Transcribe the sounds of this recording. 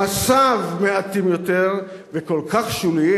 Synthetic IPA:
asavmeat̪imjo̞t̪eʁ | veko̞lkaχʃuli

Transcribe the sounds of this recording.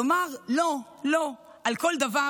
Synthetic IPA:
omaʁlo | lo̞ | ʔalko̞ld̪ava

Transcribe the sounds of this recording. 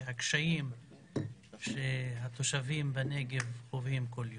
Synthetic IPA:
ɦakʃaim | ʃeɦat̪o̞ʃavimbane̞ɡe̞vovhimkoljo

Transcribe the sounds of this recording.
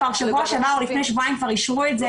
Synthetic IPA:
aʁʃekoaʃavaulifne̞jʃvoajmkvaʁiʃʁuetze

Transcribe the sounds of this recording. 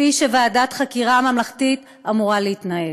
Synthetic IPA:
iʃevaːdat̪χakiʁamamlaχtit | amuʁaleitnae

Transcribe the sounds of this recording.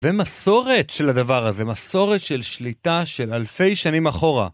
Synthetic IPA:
vemaso̞ʁe̞t̪ʃe̞lad̪avaʁaze̞maso̞ʁetʃe̞lʃlitaʃe̞lalfe̞jʃanimaχo̞ʁa̰

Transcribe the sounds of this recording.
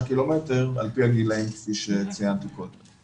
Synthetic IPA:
kilometeʁa̰lpiaɡilaimkfiʃet͡sijant̪ikod̪em

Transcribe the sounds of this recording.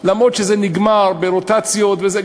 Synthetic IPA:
lamʁo̞dʃezeniɡmaʁbeʁotat͡sjo̞tveze

